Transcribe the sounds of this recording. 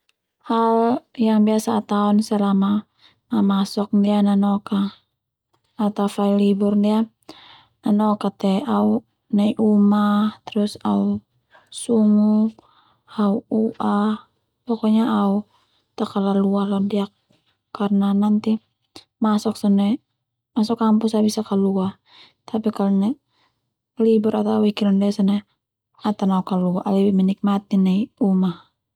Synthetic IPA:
haljaŋbiasaːt̪aɔnsalama | namasɔk̚ndiananɔka | t̪afailiburndia | nanɔkat̪ɛau | naiʔumat̪ɛɾusau | suŋu | auuʔa | pɔkɔɲaau | t̪akalaluahladiakː | arnanant̪i | masɔksɔnɛ | masɔkampusabisakalua | t̪apikalɲa | libɛɾat̪auikiɾandɛsɔnɛ | at̪anaukaluaʔlibimɛnik̚mat̪inaiumah

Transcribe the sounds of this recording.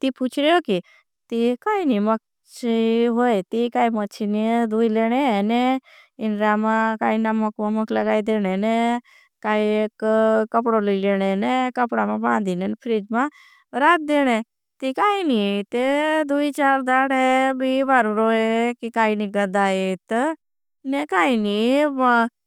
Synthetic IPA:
t̪iput͡ʃɾjoki | t̪ikaːinimək̚ | t͡ʃiɦoet̪ikaːimət͡ʃʰinid̪uileɽ̃eneɪnɾamãkaːinaməkmaməklaɡaːid̪eɽ̃ene | kaiekkːəpɽoliileɽ̃enekəpɽamãbãːnd̪inɛnpʰɾid͡ʒmã | ɾat̪̚d̪eɽ̃e | t̪ikaːinit̪ed̪uit͡ʃaɾd̪aɽebibaɾuɾoekikaːiniɡəd̪aːet̪ə | nekaːinima

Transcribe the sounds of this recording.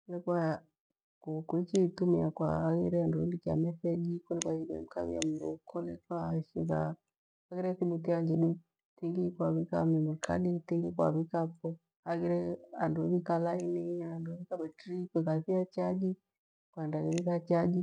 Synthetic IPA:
klɛkwa | kukuit͡ʃitumiakwa̰aɣiɾɛandundikia̰mɛθɛd͡ʒikulɛkwaiɾiɛ̰a̰m̩ka̰βḭa̰m̩bṵkɔlɛkwaʃiɣa | aɣiɾɛsiɓutiaɲd͡ʒɛɗu | tiŋɡikwaβikamimukʰa̰ɗitiŋɡikwa̰βikapɔ | haɣiɾɛanduβikalainiaanduβikaɓɛtɾikwɛkaθiat͡ʃad͡ʒi | kwaɛndaɣiβikat͡ʃad͡ʒi

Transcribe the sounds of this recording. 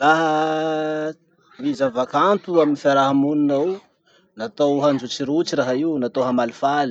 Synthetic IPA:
raɦə | mizavakant̪uaminifaɾaɦamuninaw | nat̪owɦand͡ʒut͡siɾut͡siɾaɦaiwnat̪owɦamalifali̥

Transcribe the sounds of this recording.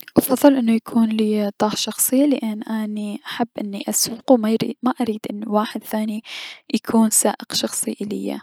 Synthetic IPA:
ʔɑfɑðˤːɨlʔɪnːʊjakʰuːnliːt̪ˤɑːħʃɑxsˤɨːalɪʔanːʔaniʔaħabːʔɪnːiʔasuqwmaɾiːmaʔaɾiːd̪ʔɪnːiwaːħɪd̪θaːnijakʰuːnsaːʔɪqʃɑxsˤɨʔɪlɪ̰jːa̰

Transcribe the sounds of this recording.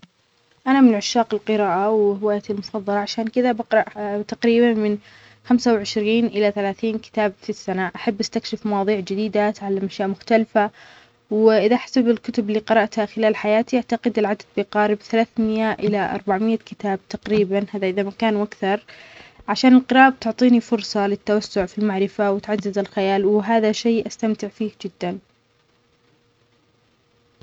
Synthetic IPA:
ʔanamɪnnʕʊʃːaːqɪlqɨɾaːʔawhɪwaːjat̪ilmʊfɑðˤːɑlɑʕaʃaːnkɪðabɑqɾˤɑʔt̪aqɾiːbanmɪn | xamsawʕɪʃɾiːnʔɪlaθalaːθiːnkɪ̥t̪aːbfisːanaʔaħabːʔast̪akʃɪfmɑwɑːðˤiːʕd͡ʒɪd̪iːd̪at̪ʕalːamʔaʃjaʔmʊxt̪alfa | wʔɪðaʔħḁsabɪlkʊt̪ʊbɪlːiːqɑɾˤɑʔt̪haxɪlaːlħajaːt̪iʔaʕt̪aqɪd̪ɪlʕad̪ad̪̚biqɑːɾɪbθalaːθmɪjaʔɪlaʔɑ̰ɾˤbaʕmɪjːakɪt̪aːb̚t̪ɑqɾiːbanhaːðaʔɪðamakaːnʔakθɑɾˤʕaʃaːnɪlqɨɾˤɑːʔab̚t̪ʊʕt̪ˤiːnifʊɾsˤɑlɪt̪ːawasːʊʕfilmaʕɾɪfawɪt̪ʕad̪ːɪzɪlxɪjaːlwɪɦaːðaʃeːʔast̪amt̪ɪʕfiːhd͡ʒɪd̪ːan

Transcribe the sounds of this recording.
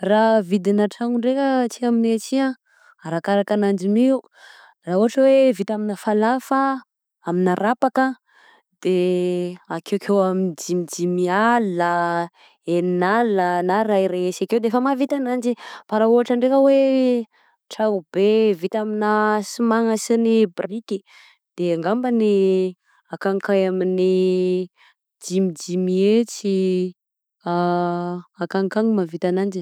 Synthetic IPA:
ravid̪inaʈ͡ʂaŋuɳɖ͡ʐekət͡sikaminet͡ʃiã | aɾakaɾakanand͡ʒiniu | rauɦaʈ͡ʂəwevit̪aminəfalafə | aminaɾapakə | d̪̥e | akewkʰewamind͡ʒimid͡ʒimialːə | eninalənaɾaiɾesakewd̪eefəmavit̪anand͡ʒipaɾauaʈ͡ʂaɳɖ͡ʐekəwe | ʈ͡ʂaubevit̪aminasimaŋəsinibriki | d̪̥eaŋɡambəni | akaŋkajamini | d͡ʒimid͡ʒimiet͡si | a | akaŋkaŋimavit̪anand͡ʒi

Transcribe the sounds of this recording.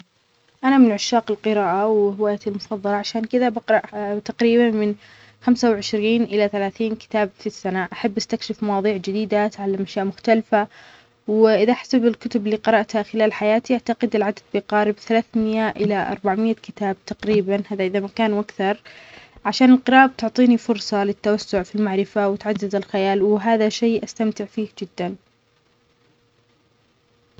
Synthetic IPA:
ʔanamɪnʕʊʃːaːqɪlqɨɾaːʔawhɪwaːjat̪ilmʊfɑðˤːɑlɑʕaʃaːnkɪðabɑqɾˤɑʔt̪aqɾiːbanmɪn | xamsawʕɪʃɾiːnʔɪlaθalaːθiːnkɪ̥t̪aːbfisːanaʔaħabːʔast̪akʃɪfmɑwɑːðˤiːʕd͡ʒɪd̪iːd̪at̪ʕalːamʔaʃjaːʔmʊxt̪alfa | wʔɪðaʔaħḁsabɪlkʊt̪ʊbɪlːiːqɨɾˤɑʔt̪haxɪlaːlħajaːt̪iʔaʕt̪aqɪd̪ɪlʕad̪ad̪̚biqɑːɾɪbθalaːθmɪjaʔɪlaʔɑ̰ɾˤbaʕmɪjːakɪt̪aːb̚t̪ɑqɾiːbanhaːðaʔɪðamakaːnʔakθɑɾˤʕaʃaːnɪlqɨɾˤɑːʔb̚t̪ʊʕt̪ˤiːnifʊɾsˤɑlɪt̪ːawasːʊʕfilmaʕɾɪfawɪt̪ʕadːɪzɪlxajaːlwɪɦaːðaʃeːʔast̪amt̪ɪʕfiːhd͡ʒɪd̪ːan

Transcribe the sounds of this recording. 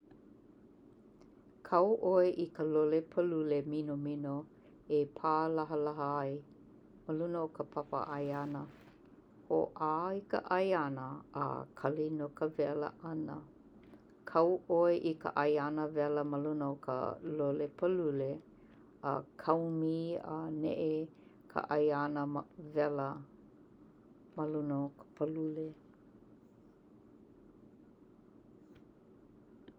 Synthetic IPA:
kʰɐwʔoeʔikəlolepʰəluleminomino | epʰaːlɐɦəlɐɦəɐj | məlunəokəpʰapə̰ʔɐjanə | ho̰ʔaikə̰ʔɐjanəə̰kʰɐlinokəvɛlə̰ʔɐnə̰ | kʰɐwʔoeʔikə̰ʔɐjanəvɛləməlunokʰə̰lolepʰəlule | ə̰kʰɐwmiənḛʔekʰə̰ʔɐjanəvɛlə | məlunokə̥pʰəlule

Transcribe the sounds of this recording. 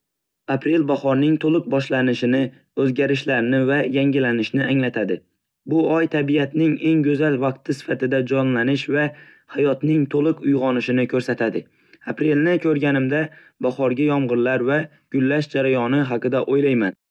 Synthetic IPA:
apɾe̞lbaχɒɾnɪŋt̪ʰolˠɨq̚bɒʃlanɪʃɪnɪ | ɵzɡʲaɾɪʃlaɾnɪvajaŋɡʲɪlanɪʃnɪaŋlat̪ʰad̪ɪ | bʊɒjt̪ʰabijat̪nɪŋe̞ŋɡɵzalvɑq̚t̪ʰɪsɪ̥fat̪ɪd̪ad͡ʒɒnlanɪʃva | hajɒt̪nɪŋt̪ʰolˠɨqʊjʁɒnɪʃɪnɪkʰɵɾsat̪ʰad̪ɪ | apɾe̞lnɪkʲʰɵɾɡʲanɪmd̪a | baχɒɾɡʲajɒmʁɨɾlaɾva | ɡ̥ʊlːaʃd͡ʒaɾajɒnɪɦɑqɨd̪aʔojlajman

